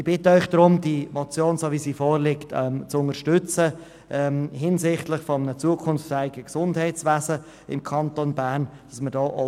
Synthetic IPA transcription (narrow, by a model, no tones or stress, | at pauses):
ɪb̥ɪtəœʏχd̥ɾʊmd̥iəmɔt͡sjoːnsoːvisiːfɔːɾlɪktʰɛmt͡sʊŋəʃtʏt͡sə | ʔɛmhɪnsɪχtlɪχfɔmənət͡suːəkʰʊnftæɪɪɡəksʊndhɛɪtt͡svæːzə | ɪmkʰɑntonbæːɾn | d̥ɑsmədɔːʔɔ